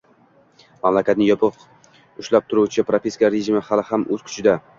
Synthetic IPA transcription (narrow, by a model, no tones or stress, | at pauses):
mamlakʲat̪nɪŋjɒpʰɨq | ʊʃlap̚t̪ʰʊɾuwt͡ʃʰɪpɾopʲeskaɾeʒɪmɪhalɪhamɵz̥kʲʰʊ̥t͡ʃʰɪd̪a